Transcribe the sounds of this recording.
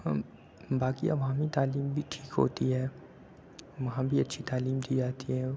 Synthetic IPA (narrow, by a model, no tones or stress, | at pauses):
baːkiʔɐ̰ʋãmit̪aːliːmbʱiʈʰiːkɦo̰ːt̪iɦɛː | ʋɐɦãbʱiɐtːʃʰit̪aːliːmd̪iːd͡ʒaːt̪iɦɛː